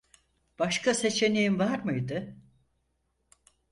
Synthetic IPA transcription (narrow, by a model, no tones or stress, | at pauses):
b̥aʃkʰase̞t͡ʃʰe̞niimvaɾmɯjd̪ɯ